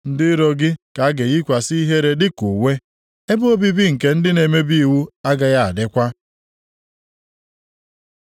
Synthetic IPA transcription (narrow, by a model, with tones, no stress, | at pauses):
n̩˦dɪ˦ɾo˦ɡɪ˦ka˨a˦ɡe˨ji˦kʷa˨si˦i˦ɦe˦ɾe˦dɪ˦ku˨we˦ | e˦bʊ˦o˦bi˦bi˦ŋ̩˨ke˦n̩˦dɪ˦ne˨me˦bi˦i˦˨wu˦a˦ɡa˦ja˦a˨dɪ˦kʷa˦